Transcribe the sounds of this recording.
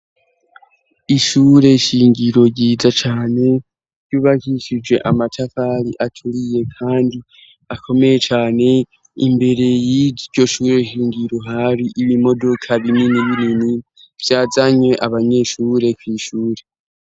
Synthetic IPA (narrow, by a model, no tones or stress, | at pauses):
iʃuːɾe̞ʃiːŋɡiɾo̞ɟizat͡ʃaːne̞ | ɾɟ̥uːβahiʃid͡ʒwe̞̰ʔamatʰafaɾiʔatʰuɾije̞kʰaːndi | akʰo̞me̞je̞t͡ʃaːne̞ | ḭmbe̞ɾe̞jiɟo̞ʃuːɾe̞ʃiːŋɡiɾo̞ɦaɾiʔiβimo̞do̞kʰaβininiβiɾini | v̥jaːzaɲwe̞ʔaβaɲe̞ʃuːɾe̞kwiːʃuːɾe̞